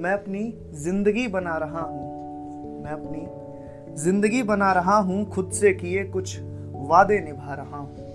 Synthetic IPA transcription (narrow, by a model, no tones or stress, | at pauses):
mɛ̃ːɐpni | zɪ̃nd̪əɡibɐnaːɾɐɦaɦũː | mɛ̃ːɐpni | zɪ̃nd̪əɡibɐnaːɾɐɦaɦũxʰʊd̪sekiekʊt͡ʃʰ | ʋaːd̪enɪbʱaːɾɐɦaɦũ